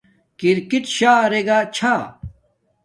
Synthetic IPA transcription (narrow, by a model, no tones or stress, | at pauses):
kiɾkiʈɕaːɾeɡat͡ɕʰa